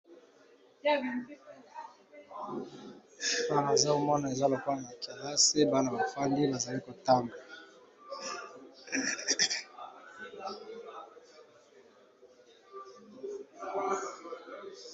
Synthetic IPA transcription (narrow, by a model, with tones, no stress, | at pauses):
fa˦a˨za˦o˦mɔ˦na˨e˨za˦lo˨ka˦na˨a˨ka˨la˦se˦ba˦na˨ba˨fa˦ndi˦ba˨za˨li˦ko˨ta˦mba˨